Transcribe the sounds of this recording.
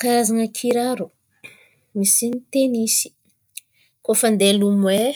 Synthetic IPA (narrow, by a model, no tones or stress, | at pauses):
kaazaŋakʰiɾaɾu | misinit̪enisi̥ | kofand̪elumwe